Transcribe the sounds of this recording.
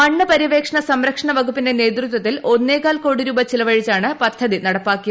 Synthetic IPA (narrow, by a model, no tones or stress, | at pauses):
ɐɳːɨpɐɾiʋe̞ːkʂɐɳɐsɐmɾɐkʂɐɳɐʋɐɡupːindene̞ːt̪rut̪wɐt̪ːilo̞nːeːkaːlko̞ːɽiɾuːbɐt͡ɕilɐʋɐɻit͡ɕːaːɳɨpɐtd̪ʰʱːɐðinɐɽɐpːaːkːijɐ